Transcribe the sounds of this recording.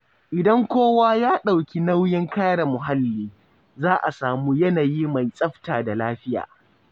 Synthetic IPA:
ʔɪ˨dɐ˦ŋkʷoː˦waː˦jaː˦ɗa˨wkʲi˦na˦wjɪ˦ŋkaː˦ɽa˨mʊ˨ɦa˦lːiː˦ | zaː˦ʔa˨saː˨muː˦jɐ˦naː˨jiː˦ma˨jsʼɐ˦ɸtaː˨da˨laː˦ɸɪ˦ja̰ː˨

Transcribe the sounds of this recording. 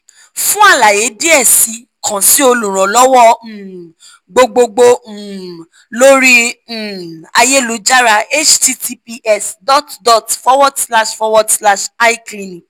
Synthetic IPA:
fũ˦a˦˨la˨je˨˦di˦ɛ˦˨si˨˦ | kʰã˨si˨˦o˧lũ˨ɾ̃ɔ̃˨lɔ˦wɔ˦˨ | ɡ͡bo˧ɡ͡bo˧ɡ͡bo˧˨ | lo˦ɾi˦˨ | a˧je˦lu˨˦d͡ʒa˦ɾa˧e˦t͡ʃti˧˦ti˧pi˧˦ʔɛ˦˨sdɔ˦˨tdɔ˨tfɔ˦wɔ˦dsla˦ʃfɔ˧˦wɔ˦dsla˦ʃa˦i˦klĩ˧nĩ˨k

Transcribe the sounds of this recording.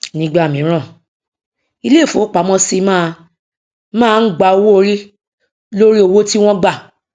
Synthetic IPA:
nĩ˦ɡ͡ba˦˨mĩ˨˦ɾ̃ã˦˨ | i˧le˦˨fo˨˦k͡pa˨˦mɔ̃˦si˦mãː˦˧ | mãː˦˨˧n̩˦ɡ͡ba˨˦o˧wo˦o˧ɾi˦ | lo˦ɾi˦o˧wo˦ti˦w̃ɔ̃˦ɡ͡ba˦˨

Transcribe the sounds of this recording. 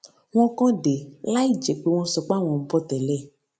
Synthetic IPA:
w̃ɔ̃˦kɔ̃˦ɖe˨la˦i˦˨d͡ʒe˨k͡pe˦w̃ɔ̃˧sɔ˧k͡pa˦w̃ɔ̃˨m̩˦pɔ˦t̪ɛ˨lɛ˦˨

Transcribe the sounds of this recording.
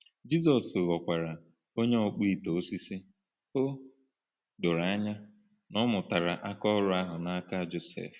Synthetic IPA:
d͡ʒi˦s̬ɔ˨sɣɔ˨kʷa˨ɾa˨ | o˦ɲe˦o˦˨k͡pi˦˨to˨o˦si˦si˦ | o˦ | dʊ˨ɾa˨a˦ɲa˦ | nɔ˦mʊ˨ta˨ɾa˨ʔa˦kɔ˦ɾʊ˦a˦ɦʊ˨na˦a˦ka˦d͡ʒo˦sḛ˨f

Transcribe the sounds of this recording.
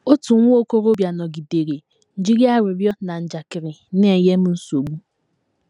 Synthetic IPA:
o˦tu˨˦ŋʷʊ˦o˦ko˦ɾo˦bja˨nɔ˨ɡi˨de˨ɾe˨ | n̩˨d͡ʒi˦ɾja˦˨ɾɪ˨ɾjɔ˦na˨n̩˨d͡ʒa˨kɪ˨ɾɪ˨ne˦˨je˦m̩˦n̩˦so˨ɡ͡bu˦

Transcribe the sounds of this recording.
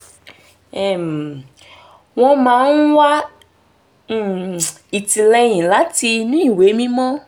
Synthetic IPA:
ɛ˦˨m˨ | w̃ɔ̃˦mãː˧˦n˦wa˦˨ | i˨ti˨lɛ˧j̃ĩ˨la˨˦ti˧nĩ˦˨we˨˦mĩ˦mɔ̃˦

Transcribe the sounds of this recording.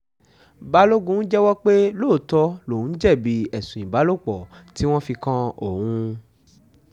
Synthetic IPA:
ba˦lo˦ɡũ˧˦n̩˦d͡ʒɛ˦wɔ˦k͡pe˦loː˦˨tɔ˧lo˨ũ˨˦n̩˦d͡ʒɛ˦˨bi˧ɛ˨sũ˨ĩ˨ba˨˦lo˦˨k͡pɔ˨ti˨˦w̃ɔ̃˦fi˧kã˦o˨hũ˧

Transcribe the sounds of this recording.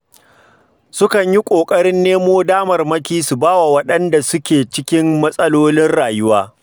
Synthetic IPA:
sʊ˦kɐ˨ɲji˦kʷʼoː˨kʼɐ˦ɽɪ˦nːeː˦moː˦daː˦mɐ˨rmɐ˦kʲiː˦su˨baː˦wa˨wɐ˦ɗɐ˦nda˨sʊ˦kʲeː˨t͡ʃɪ˦kʲɪ˦mːɐ˦sʼɐ˦loː˦lɪ˦nɽaː˨jʊ˦waː˦

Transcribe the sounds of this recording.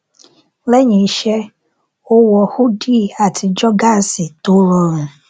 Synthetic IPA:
lɛ˦ɲĩ˨˦ʃɛ˦ | o˦wɔ˧hu˦di˦˨a˨tʰi˧d͡ʒɔ˦ɡa˦n˨si˨to˨˦lɔ˧ɾ̃ũ˨

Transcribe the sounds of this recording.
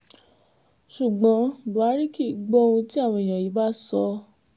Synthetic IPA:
ʃu˨ɡ͡bɔ̃˨˦˨bu˨a˨˦ɾi˦ki˦˨˧ɡ͡bɔ˦˧ũ˧ti˦a˦˨w̃ɔ̃˧˨j̃ã˨ji˨˦ba˦sɔ˧

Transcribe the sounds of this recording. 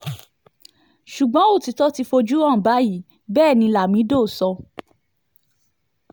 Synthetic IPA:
ʃu˨ɡ͡bɔ̃˨˦o˦˨ti˨˦tɔ˦ti˧fo˧d͡ʒu˦ã˦˨ba˨˦ji˦ | bɛː˦˨nĩ˧la˨mĩ˨˦do˦˨sɔ˧

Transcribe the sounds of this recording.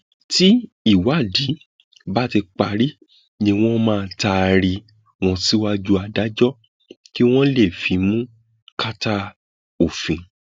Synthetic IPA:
ti˦ | i˦˨wa˨˦˨di˨˦ | ba˦ti˧k͡pa˧ɾi˦ | nĩ˧w̃ɔ̃˦mãː˦˧ta˧ɾi˧ | w̃ɔ̃˧si˦wa˦d͡ʒu˦a˧da˦d͡ʒɔ˦ | ki˦w̃ɔ̃˦le˦˨fi˨˦mũ˦ | ka˦ta˦ | o˨fĩ˨

